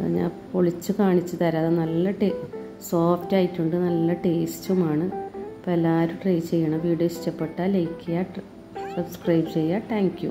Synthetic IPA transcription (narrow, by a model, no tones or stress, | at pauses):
ɲa̰ːnpoɭit͡ɕːukaːɳit͡ɕːɨt̪ɐɾaːðenɐlːɐʈe | soːftaːjitːuɳɖɨnɐlːɐʈe̞ːstumaːɳɨpɐlaːɾuʈrijt͡ɕe̞jːɐɳɐmʋiːɖijoːɕi̥t͡ɕːɐpːe̞ʈːaːlejikːijaː | sɐbskrɐjbt͡ɕe̞jːaːt̪ʰaːŋkjṵ